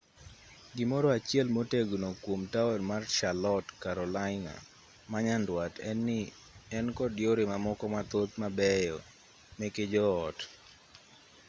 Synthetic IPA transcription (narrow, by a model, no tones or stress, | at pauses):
ɡɪmɔɾɔat͡ʃjɛlmoteɡonokwomtaonmarʃalɔtkaɾɔlaɪna̰ | maɲandwatɛnːɪ | ɛnkɔdjoɾemamɔkɔmat̪ot̪̚mabɛjɔ | mɛked͡ʒɔːt